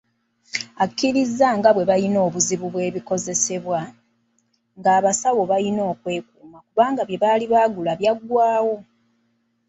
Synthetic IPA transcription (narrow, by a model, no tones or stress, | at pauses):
akːiɾizːaŋɡaβwe̞βajino̞ːβuziβuβwe̞ːβiko̞ze̞se̞βwa | ŋɡaːβasawo̞βalino̞ːkwe̞ːkuːmakuβaːŋɡaβje̞βaːliβaːɡulaβjaɡwaːwo̞